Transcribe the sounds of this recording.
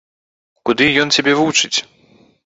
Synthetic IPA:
kud̪ɨjɔnt͡sʲabʲɛvut͡ʂɨt͡sʲ

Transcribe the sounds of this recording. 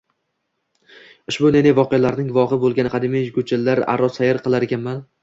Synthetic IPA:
ʊʃbʊnenevɒqejalaɾnɪŋvɒʁɨbolˠɡʲanɪqʰɑd̪ɪmajkʊt͡ʃʰɪlːaɾa̰ɾɒsajɪɾqʰɨlˠaɾeɡʲanman

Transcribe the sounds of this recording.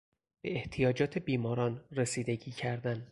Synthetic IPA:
b̥e̞eht̪ʰijɒːd͡ʒɒːt̪ʰe̞biːmɒːɾɒːnresiːd̪eɟiːcʰæɾd̪æn

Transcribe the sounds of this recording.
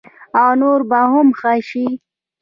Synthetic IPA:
awnoɾbahʊmxaʃi

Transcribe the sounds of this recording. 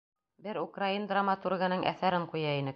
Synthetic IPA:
bɘɾukraind̪ramat̪urɡănɤŋʔæ̰θæɾɘɴqujɑinɘk̚

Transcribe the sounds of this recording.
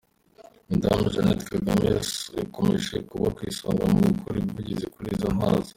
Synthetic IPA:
ndamʒanetkeɡamesakomeʒekuβakwisaːŋɡamuukʰoɾibɡuɟizekuɾizonɦaːnzi̥

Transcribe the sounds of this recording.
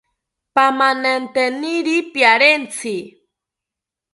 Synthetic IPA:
pamanent̪eniɾipjaɾent͡sʰi

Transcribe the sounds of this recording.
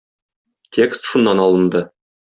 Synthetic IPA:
tʲʰe̞kst̪ʃunːɑnɒlˠɤ̆nd̪ɤ

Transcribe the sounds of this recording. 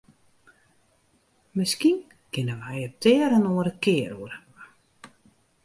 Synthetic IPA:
mɪskin | kɪnəʋəajəp̚tʰɪəɾənoəɾəkɪəruərə

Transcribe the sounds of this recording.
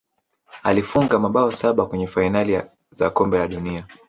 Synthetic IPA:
alifuŋɡamaɓaɔsaɓakwɛɲɛfainali | zakɔmbɛlaɗunia

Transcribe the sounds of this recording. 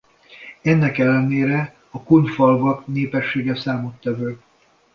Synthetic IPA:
ɛnːɛkɛlːɛneːɾɛ | ɒkunfɒlvɒkneːpɛʃːeːɡɛsaːmot̪ːɛvøː

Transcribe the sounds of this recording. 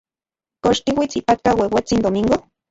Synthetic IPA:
koʃt̪iwit͡sipat̪̚kawewet͡sind̪omiŋɡo

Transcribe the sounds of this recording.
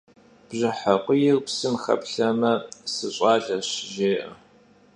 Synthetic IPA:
b̥ʑɪħaqʷʊjɪrpsɨmχɐ̰pɬɐmɐsɨɕʼɑːɮɐɕʒeːʔɐ

